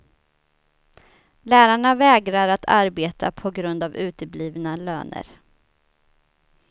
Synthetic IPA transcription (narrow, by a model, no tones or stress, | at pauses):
læːɾaɳavɛːɡɾaɾat̪ʰa̰ɾbeːt̪ʰa̰pʰɔɡɾɵnd̪avʉ̟ːt̪əbliːvnalø̰ːnə̰ɾ